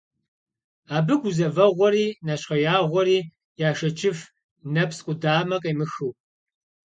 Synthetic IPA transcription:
aːbɨɡʷuzɐvɐʁʷɔɾiːnaɕχɐjaːʁʷɔɾiː | jaːʂɐt͡ʃʰʼɪf | nɐpsqʷʼʊdaːmɐqʼɐjmɨxɨw

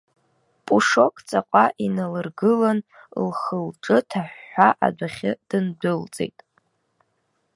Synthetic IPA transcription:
pʼuʂo̞kʼt͡sʼaqʷʼaʔinalɨrɡɨlan | lχəlʈ͡ʂʼɨtʰaħːaʔa̰dʷaχʲɪd̥ɨndɨlt͡sʼḛjtʼ

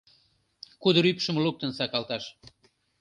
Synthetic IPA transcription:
kud̪əɾypʃəmlup̚t̪ənsɑkɑlt̪ɑʃ

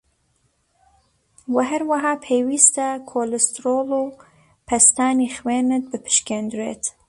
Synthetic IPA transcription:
wɐɦɐɾwaɦɑːpʰeːwiːst̪ɐkʰoːlɪst̪ɾoːluː | pʰɐst̪aːnixweːnɨt̪̚bɨpʰɨ̥ʃkeːnd̪ɾḛːt̪

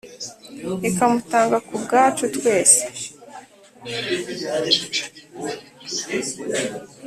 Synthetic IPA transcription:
ekamutaːŋɡakubɡaːt͡ʃutwe̞ːse̥

